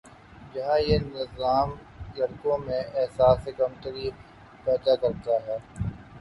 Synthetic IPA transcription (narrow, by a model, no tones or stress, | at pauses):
d͡ʒɐɦãːjenɪzaːm | lɐɾkõmẽʔɛɦsaːsɪkəmt̪əɾiː | pɛːd̪akɐɾt̪aɦɛː